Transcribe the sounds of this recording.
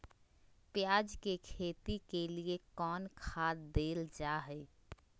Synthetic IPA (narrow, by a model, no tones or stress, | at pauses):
pɪjaːd͡ʒkekʰeːt̪ikeliekɔːnkʰaːt̪d̪eːld͡ʒaːɦɛː